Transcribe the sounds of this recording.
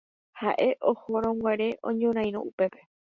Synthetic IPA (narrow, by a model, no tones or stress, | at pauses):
haʔe̞ʔohoɾ̃õŋɡaɾe̞ʔõ̰ɲõɾ̃ãj̃ɾõ̰ʔupe̞pe̞̥